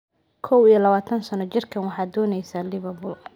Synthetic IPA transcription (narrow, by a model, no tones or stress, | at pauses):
kʰɔwijɔlɐβaːt̪ʰɐnsɐnɔt͡ʃɪrkʰɐnwɑħɑːd̪ɔːnɛjsaːlɪβɐbʊl